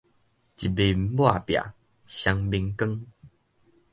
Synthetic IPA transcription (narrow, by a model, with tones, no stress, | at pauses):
t͡ɕi˨bi˧m̩˨˦bwa˥˨pja̰˨ | ɕa˧ŋbi˧ŋkə˦ŋ